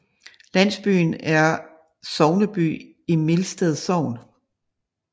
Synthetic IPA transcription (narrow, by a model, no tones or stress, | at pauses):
læn̰sb̥y̰ːnæɐ | sɒʊnəb̥y̰ː | imelsd̥eð̩ˠsɒʊ̰n